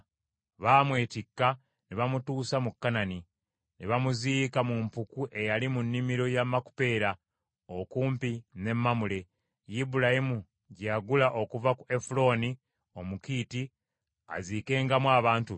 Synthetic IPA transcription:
βamwe̞ːtikːa | neβamutuːsamukːanani | neβamuziːkamumpukuʔe̞jalimunːimiɾo̞jamaku̥pe̞ːɾa | okuːmpine̞mːamule̞ | jibulahimu | ɟaːɡulaʔo̞kuvakuʔe̞fulo̞ːni | o̞mukiːti | a̰zike̞ːŋɡamwaːβaːntu

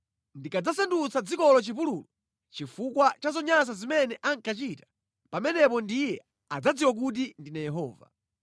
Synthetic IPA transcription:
ndikad͡zasandut͡sad͡zikɔlɔt͡ʃip̬uluːlɔ | t͡ʃifukwat͡ʃazɔɲas̬azimɛnɛʔaŋkat͡ʃitḁ | pamɛnɛpɔndijɛ | ad͡zad͡ziwak̬ut̬indinajɛɦɔ̰ːva̰

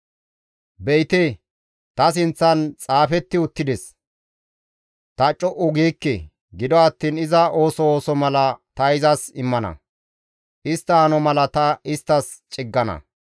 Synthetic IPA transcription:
bɛjt̪e | t̪ɐs̬ɪnt͡sːɐnt͡sʼaːfɛt̪ːɪʊt̪ːɪd̪ɛs | t̪ɐt͡ʃʼɔʔʊɡiːkːɛ̰ | ɡɪd̪ɔɐt̪ːiːnɪzɐo̞ːsɔoːsɔmɐlɐt̪ɐɪzɐsɪmːɐnɐ̰ | ʔɪst̪ːɐɐnɔmɐlɐt̪ɐɪst̪ːɐs | t͡ʃʼɪɡːɐnɐ̰

